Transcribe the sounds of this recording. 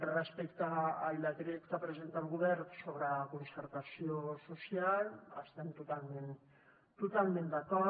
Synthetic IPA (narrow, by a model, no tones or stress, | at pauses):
respekt̪aːjlat̪ɾiekt̪apɾes̬e̞nt̪at̪uɣuβeɾsoβɾakonseɾtasiososiala̰st̪ent̪ut̪almen | t̪ut̪almend̪ako